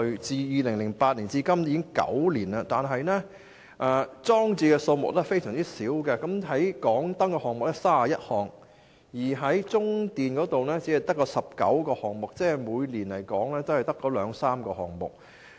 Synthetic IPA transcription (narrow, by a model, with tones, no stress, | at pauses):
t͡siː˧jiː˧lɪ˨˩ŋlɪ˨˩ŋpaː˧t̚liː˨˩nt͡siː˧kɐ˥mjiː˧kɪ˥ŋkɐ̰˨˥wliː˨˩nɐ˧t̪aː˨nɦɐ˨jnɛː˥ | ʔɛː˨˧t͡sɔː˥ŋt͡siː˧kɛ˧so˧wmʊ˨k̚lɛː˥fe˥jsœː˨˩ŋt͡siː˥siː˨˥wkɛ˧kɐ˨˥mɦɐ˨˥jkɔː˨˥ŋt̪ɐ˥ŋkɔː˧hɔː˨ŋmʊ˨k̚lɛ˥saː˥a˨jɐ˥t̚hɔː˨˩ŋ | jiː˨˩ɦɐ˨˥jt͡sʊ˥ŋt̪iː˨nkɔː˨˥t̪o˨wnɛː˥t͡si˨˥ɐ˨jt̪ɐ˥kːɔː˧sɐ˨p̚kɐ̰˨˥wkɔː˧hɔː˨ŋmʊ˨k̚t͡sɛː˥˨muː˨˧jliː˨˩nlɐ˨˩jkɔː˨˥ŋlɛː˥t̪o˥whɐ˨jt̪ɐ˥kːɔː˨˥lœː˨˧ŋsaː˥mkɔː˧hɔ̰ː˨˩ŋmʊ̰˨˩k̚